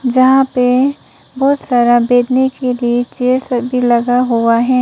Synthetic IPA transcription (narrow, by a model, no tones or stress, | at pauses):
d͡ʒɐɦãpe | bɔːt̪saːɾabeːd̪nekeliet͡ʃeːɾsəbʱilɐɡaɦuaɦɛ̃ː